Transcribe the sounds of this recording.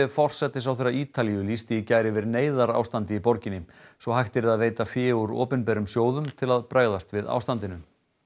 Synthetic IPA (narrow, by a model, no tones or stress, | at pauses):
ɪfɔr̥sɛt̪ːɪsawθejɾːaiːt̪alijʏlist̪ɪːcaːjɾɪvɪɾneːjðaɾa̰ːwst̪ant̪ɪipɔɾcɪnːɪsvɔɦajht̪ɪɾɪðaðveːjt̪afjɛːuɾɔ̰ːpɛnpɛɾʏmsjoːwðʏmt̪ʰɪlaðpɾaːɣðast̪vɪða̰wst̪ant̪ɪnʏm